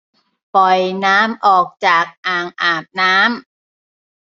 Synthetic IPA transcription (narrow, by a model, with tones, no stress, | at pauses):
pɔ˨˩jnaː˦˥mʔɔː˨˩k̚t͡ɕaː˨˩k̚ʔaː˨˩ŋʔaː˨˩p̚naː˦˥m